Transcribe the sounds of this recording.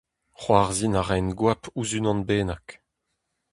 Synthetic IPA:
χwaːʁzinaʁɛnɡwapuzynɑ̃nbeːnak

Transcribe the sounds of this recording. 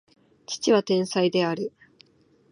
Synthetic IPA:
t͡ɕi̥t͡ɕiβat̪ẽ̞ɰ̃said̪e̞aɾɯ̟

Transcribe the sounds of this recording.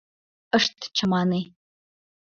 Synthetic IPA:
əʂtʰt͡ʃʰɐmaːnej

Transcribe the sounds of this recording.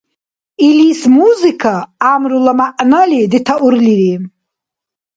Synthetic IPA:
ilismuzikʰaːmɾulamaʔnalid̪it̪ʰaʔuɾliɾi

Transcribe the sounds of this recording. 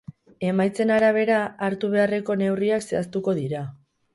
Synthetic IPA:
e̞majt͡se̞naɾaβ̞e̞ɾaaɾt̪uβ̞e̞are̞ko̞ne̞wriakse̞ast̪uko̞ðiɾa

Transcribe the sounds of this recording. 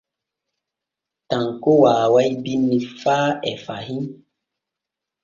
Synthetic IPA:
tãŋkowaːwajbinːifaːɛfahi

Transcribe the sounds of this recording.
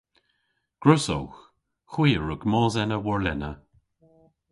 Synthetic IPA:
ɡ̥ɹʊso̰wx | xwiːəɹʊɡmɔːzɛnəwɔɹlɛ̰nə

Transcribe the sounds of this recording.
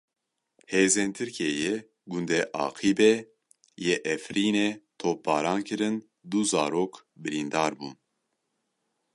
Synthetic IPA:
heːzeːnt̪ʰɨɾkʰeːje | ɡund̪ɛʔɑ̰ːqʰiːbe | jeʔɛfɾiːnet̪ʰoːp̚bɑːɾɑːnkʰɨɾɨn | d̪uzɑːɾoːk | bɨɾind̪ɑːɾbuːn

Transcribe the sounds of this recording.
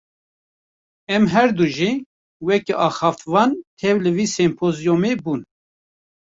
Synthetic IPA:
ɛmɦɛɾd̪uʒi | wɛkiʔɑːxɑːft̪vɑːnt̪ʰɛvlɨviːsɛmpʰozijomebuːn

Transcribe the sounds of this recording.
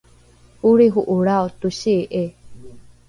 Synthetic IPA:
huɾiɦuʔuɾaot̪uɕiʔe

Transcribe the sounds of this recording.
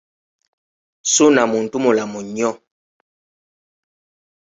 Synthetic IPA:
sonamon̩tumolamuɲɔ

